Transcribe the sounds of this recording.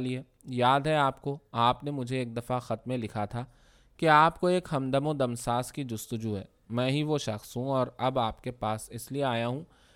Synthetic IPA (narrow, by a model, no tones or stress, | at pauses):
lie | jaːd̪ʱɦɛaːpkoaːpnemʊd͡ʒʱeːk̚d̪ɐfaxɐt̪mẽlɪkʰat̪ʰa | keaːpkoeːkɦɐmd̪əmõd̪ɐmsaːskid͡ʒʊst̪ʊd͡ʒuɦɛ̰ː | mɛ̃ːɦiʋoʃɐxsɦũɔːɾɐbaːpkepaːsɪslieaːjaɦũ